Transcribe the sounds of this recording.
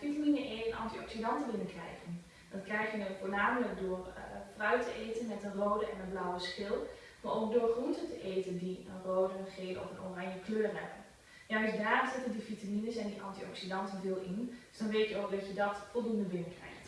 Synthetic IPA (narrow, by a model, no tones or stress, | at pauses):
fitaminəʔenɑ̰ntiɔksidɑntəbɪnəkrɛ̰jχən | dɑnkrɛjχjənəfoːnaːmələk̚doːrfrœwtəʔejtənmɛtənroːdəɛnənblawəskɪlˠ | maːɹʔowk̚dʊːɹχruntəntəʔejtəndiənrowdəχeːlɔ̰fəno̰rɑɲjəkløːrɦɛbən | jaəsdaːrnz̥ɪtəndifitaminəsɛndiʔɑ̰ntiɔ̰ksidɑntənvɪːlˠʔɪnd̥ɵsd̥ɑnʋeːjtjəokdɑtjədɑtfɔlˠdundəbɪnəkrɛ̰jχt